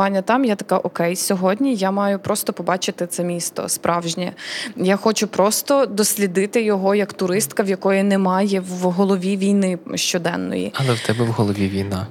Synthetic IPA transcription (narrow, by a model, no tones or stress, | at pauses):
ɑnʲːɐt̪ɑmjat̪ɐkɑʔɔkɛjsʲɔɦɔdʲnʲijamɑjʊpɾɔst̪ɔpɔbɑt͡ʃɪt̪ɪt̪sɛmʲist̪ɔ̰spɾʔɑwʒnʲɛjaxɔt͡ʃʊpɾɔst̪ɔd̪ɔsʲlʲid̪ɪt̪ɪjɔɦɔjɐkt̪ʊɾɪst̪kɐwjɐkɔjʊnɛmɑjɛwɦɔlˠɔʋʲiʋʲijnɪʃt͡ʃɔd̪ɛ̰nːɔ̰jḭɐlˠɛwt̪ɛbɛwɦɔlˠɔʋʲiʋʲijna̰